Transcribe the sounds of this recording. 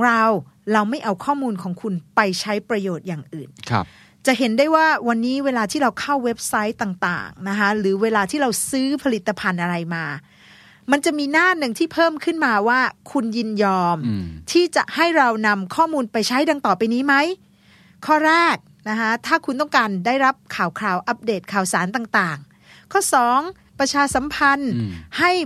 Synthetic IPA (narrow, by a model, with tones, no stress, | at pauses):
ɔ˩˦ŋɾa˧w | ɾa˧wma˥˩jʔa˧wkʰɔː˥˩muː˧nkʰɔː˩˦ŋkʰu˧npa˧jt͡ɕʰa˦˥jpɾa˧joː˨˩t̪̚jaː˨˩ŋʔɯː˨˩nkʰ | t͡ɕa˨˩ʔɦe˩˦ndaː˥˩jwaː˥˩wa˧nːiː˦˥weː˧laː˧t̪ʰiː˥˩ɾa˧wkʰa˥˩wːe˦˥p̚sa˦˥jt̪aː˨˩ŋt̪a̰ː˨˩ŋna˦˥kʰa˦˥ɾɯː˩˦weː˧laː˧t̪ʰiː˥˩ɾa˧wsɯː˦˥pʰa˧li˨˩t̪ːa˧pʰa˧nʔa˧ɾa˧jmaː˧ | ma˧nt͡ɕa˨˩miː˧naː˥˩nɯ˨˩ŋt̪ʰiː˥˩pʰɤː˥˩mkʰɯ˥˩nmaː˧waː˥˩kʰu˧nji˧njɔː˧mt̪ʰiː˥˩t͡ɕa˨˩ʔha˥˩jɾa˧wna˧mkʰɔː˥˩muː˧npa˧jt͡ɕʰa˦˥jda˧ŋt̪ɔː˨˩pa˧jniː˦˥ma˦˥j | kʰɔː˥˩ɾɛː˥˩k̚ | na˦˥kʰa˦˥t̪ʰaː˥˩kʰu˧nt̪̬ɔ˥˩ŋkaː˧ndaː˥˩jɾa˦˥p̚kʰaː˨˩wkʰɾaː˧˩wʔa˦˥p̚deː˨˩t̪̚kʰaː˨˩wsaː˩˦nt̪aː˨˩ŋt̪aː˨˩ŋ | kʰɔː˥˩sɔː˩˦ŋ | pɾa˧t͡ɕʰaː˧sa˩˦mpʰa˧nha˥˩j